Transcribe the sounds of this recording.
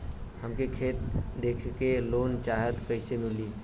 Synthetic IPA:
həmkekʰet̪̚d̪ekʰkelont͡ʃaɦət̪kəɪsemili

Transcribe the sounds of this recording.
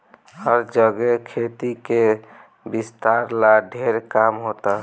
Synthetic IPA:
həɾd͡ʒəɡekʰet̪ike | bist̪aɾlaɖʱeɾkamɦot̪a

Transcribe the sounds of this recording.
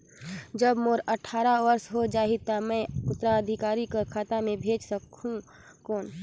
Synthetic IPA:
d͡ʒəbmoːɾəʈʰaːɾaʋəɾsɦod͡ʒaːɦit̪amɛ̃ʊt̪ːɾaəd̪ʱɪkaːɾikokʰaːt̪amẽbʱeːd͡ʒsəkɦũ | koːn

